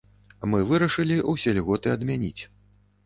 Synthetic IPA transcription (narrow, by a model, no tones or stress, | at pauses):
mɨvɨɾɐʂɨlʲiʔusʲɛlʲɣɔt̪ɨɐd̪mʲanʲit͡sʲ